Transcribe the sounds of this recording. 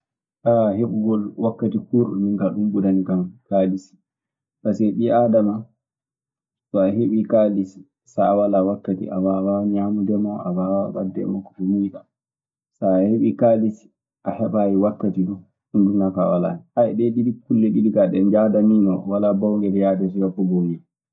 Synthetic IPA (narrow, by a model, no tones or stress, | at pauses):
ʔaheɓuɡɔlwakːatikuɾɗumiŋkaɗumbudanikamkalisi̥ | kasɛɗiadama | tɔaɦeɓikalisi̥ | saːwalawakːatḭʔa̰mːawaɲamudɛmaʔabawawadːɛ̰makːɔfumujɗa | saːheɓikalisi̥ | ʔahɛɓajiwakːatiɗu | ɗundunakawala̰niʔajɗɛɗidikulːɛɗidikaɗɛnd͡ʒadaninɔwalabɔwŋɡɛdɛjadɛs̬ijabɔbɔŋɡɛ